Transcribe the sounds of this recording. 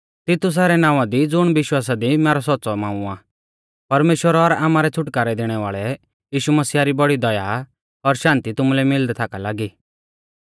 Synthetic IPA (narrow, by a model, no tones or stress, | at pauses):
t̪ɪt̪ʊs̬ɛːɾɛnãːʋ̃ad̪id͡zʊɽ̃ʋɪʃwaːsad̪imɛːɾɔsɔtːt͡sɔmãːuaː | pɐɾmeːʃwəɾɔɾaːmaːɾɛt͡sʰʊʈkaːɾɛd̪eːɽ̃ɛʋaːɭɛ | jiːʃumɐsiːaɾibɔɽid̪ɐja̰ | ɔɾʃãːnt̪it̪ʊmulɛmɪld̪ɛt̪ʰaːkalaːɡiː